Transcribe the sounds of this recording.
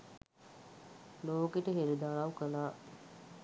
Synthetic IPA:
loːkeʈəɦeɾud̪alawkənaː

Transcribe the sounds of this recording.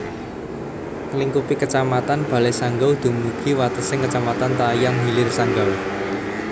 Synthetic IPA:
ŋəliŋkupikət͡ʃamat̪anb̥a̤lɛsaŋɡawd̪̥ṳmuɡ̥iwat̪əsɪŋkət͡ʃamat̪ant̪ajaŋɦilɪrsaŋɡaw

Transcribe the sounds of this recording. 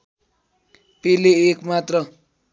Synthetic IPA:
peleːkmat̪rʌ

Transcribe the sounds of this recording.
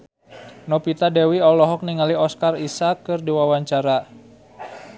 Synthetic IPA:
nɔpit̪adɛwiɔlɔɦɔk̚niŋaliɔskarisakːɨrdiwawaɲt͡ʃaɾa

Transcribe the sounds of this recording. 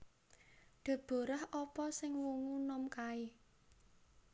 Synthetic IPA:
ɖ̪̥a̤b̥o̤ɾəhʔɔpɔsɪŋwuŋunɔmkaɪ

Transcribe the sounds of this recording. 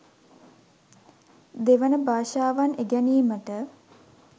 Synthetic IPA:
d̪eʋənəbaːʃaːʋaneɡæniːməʈə

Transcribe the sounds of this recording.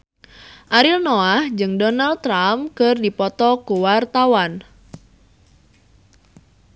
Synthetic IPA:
ʔaɾilnoahd͡ʒɨŋdɔnal̚ːɾamkɨrdipɔt̪ɔkuwart̪awan

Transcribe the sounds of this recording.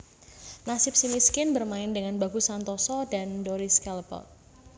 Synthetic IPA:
nasɪp̚simiskɪnbərmaɪndəŋanbaɡ̥usant̪ɔsɔdandɔɾiskɛlpɔ̰

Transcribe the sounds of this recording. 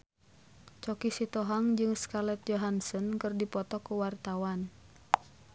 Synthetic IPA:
t͡ʃɔkisit̪ɔɦaŋd͡ʒɨŋskalɛt̪̚d͡ʒɔɦansɔnkɨrdipɔt̪ɔkuwart̪awan

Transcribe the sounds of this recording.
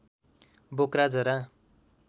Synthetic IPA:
bokɾad͡zʌɾa

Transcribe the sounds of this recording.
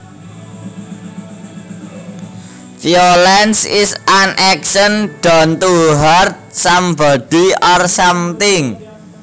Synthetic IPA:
fiolɛnsɪsanʔɛksənɖ̥ant̪uɦart̪̚samba̤ɖ̥i̤arsamt̪ɪŋ

